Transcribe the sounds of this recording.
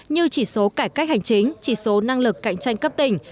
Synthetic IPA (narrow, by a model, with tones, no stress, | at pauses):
ɲɨ˧t͡ɕi˧˩so˨˦kaː˧˩kaː˦˥k̚ha˨˩jŋ̟t͡ɕï˨˦ŋ̟t͡ɕi˧˩so˨˦na˧ŋlɨ˨˩kːa̰˧˨jŋ̟t͡ɕa˧jŋ̟kə˦˥p̚t̪ï˧˩ŋ̟